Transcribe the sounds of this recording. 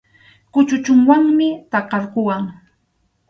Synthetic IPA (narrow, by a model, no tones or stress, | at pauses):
kʊt͡ʃʊt͡ʃʊŋwaŋmɪt̪ɑqɑɾkʊwaŋ